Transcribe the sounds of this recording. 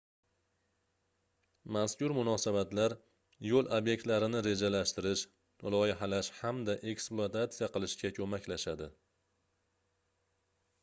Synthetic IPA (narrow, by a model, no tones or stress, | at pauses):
maskʲʊɾmʊnɒsabat̪laɾ | jolˠobje̞k̚ʲt̪laɾɪnɪɾe̞d͡ʒalaʃt̪ɪɾɪʃ | lˠɒjɪɦalaʃhamd̪aʔe̞ksplˠʊat̪ʰat̪sijaqɨlˠɪʃkʲakʰɵmakʲlaʃad̪ɪ